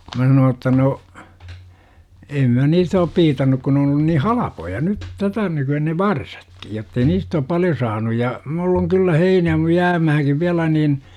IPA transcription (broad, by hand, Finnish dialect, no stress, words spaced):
mæ sɑnoː tːɑ no em mæ niːstæ op piːtɑnːuk kun n oːn olːun niː hɑlɑpojɑ nyt tætæ nykyæ ne ʋɑrsɑ̥tklj̊ jotːei niːst oːp pɑljo sɑːnuj jɑ mulː oŋ kylːæ heinæː mu jæːmæhæŋkiʋ ʋiælæ nin